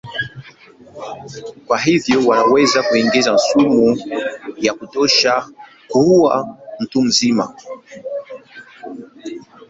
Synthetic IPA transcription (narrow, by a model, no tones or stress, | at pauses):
kwaɦivjɔwanawɛzakuiŋɡizansumu | jakutɔʃa | kua̰m̩tum̩zima̰